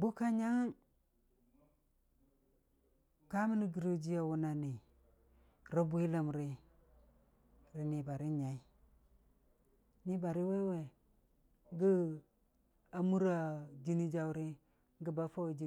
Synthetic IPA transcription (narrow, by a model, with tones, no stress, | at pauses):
bu˦ka˦ɲa˦ŋ˦ | ka˦mi˦ni˦ɡi˨ɾo˦d͡ʒi˦ja˨wu˦na˨ni˨ | ɾa˦bu˦i˦la˨mɾi˦ | ɾi˨ni˨ba˨ɾi˦ɲa˨i˦ | ni˦ba˨ɾi˦we˦we˨ | ɡi˦ | a˨mu˦ɾa˨d͡ʒi˦ni˦d͡ʒa˦u˦ɾi˦ | ŋɡi˦ba˦fa˦we˨d͡ʒi˦